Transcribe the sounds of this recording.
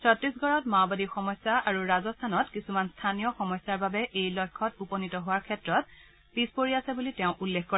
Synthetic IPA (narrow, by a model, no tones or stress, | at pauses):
sɔtɹisɡʱɔɹɔtmabadixɔmɔsːaʔaɹuɹazɔstʰanɔtkisumanstʰanijɔxɔmɔsːaɹbabɛʔejlɔjkʰːɔtupɔnitɔɦʊaɹkʰɛtɹɔt̚ | pispoɹiasɛbulitɛʊ̃ʔulːekʰkɔɹɛ